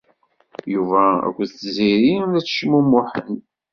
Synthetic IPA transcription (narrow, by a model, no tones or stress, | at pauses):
juvææ̰kʷːðθziɾiæt͡sːʃəmːumːʊħən